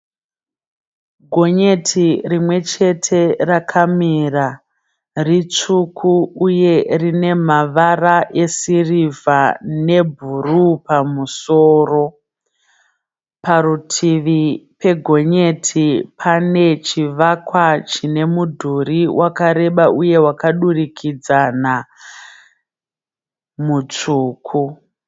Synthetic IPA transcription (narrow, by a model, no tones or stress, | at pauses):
ɡʱo̞ɲe̞tʰirimwe̞t͡ʃe̞tʰe̞rakʰamiːra | rit͡ʂukʰuːje̞rine̞maʋaraʔe̞sirivane̞bʱurupamusoːro̞ | paɾutʰiʋipe̞ɡʱo̞ɲe̞tʰipʰane̞t͡ʃiʋakwat͡ʃine̞mudʱuriwʔakaɾe̞ɓaʔuje̞wakaɗurikʰid͡zana | mut͡ʂuːkʰu